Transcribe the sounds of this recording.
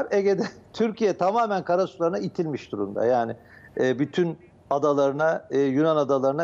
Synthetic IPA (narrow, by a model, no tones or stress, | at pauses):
ɾeɟed̪ɛt̪ʰyɾcʰijɛt̪ʰamaːmænkʰaɾasu̥lˠaɾɯnait̪ʰilʲmiʃd̪uɾumd̪a̰jaːnɪː | byt̪ʰyn | ad̪alˠaɾɯnaɯjunanad̪alˠaɾɯna